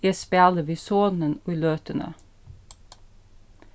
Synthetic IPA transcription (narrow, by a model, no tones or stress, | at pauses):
iːɛspeɑləʋiːsoːnənoːiːløːt̪ənə̰